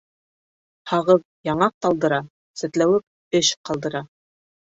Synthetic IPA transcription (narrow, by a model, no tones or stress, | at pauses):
hɑʁɤð | jɑɴɑq̚t̪ɑlˠd̪ɤ̆ɾɑ | sɘ̆t̪læwɘp̚ | ɘɕqɑlˠd̪ɤ̆ɾɑ